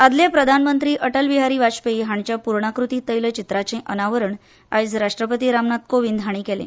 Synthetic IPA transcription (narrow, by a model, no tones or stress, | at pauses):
ad̪ljapɾəd̪ʱanmənt̪ɾiːʔəʈəlʋiɦaɾiːʋaɕpeiɦaɳt͡ɕjapuɾɳakɾut̪iːt̪əjlət͡ɕit̪ɾat͡sẽʔənaʋəɾəɳ | a̰id͡zɾaʂʈɾəpət̪iːɾamnat̪̚koʋind̪ʱaɽ̃iːkelḛ̃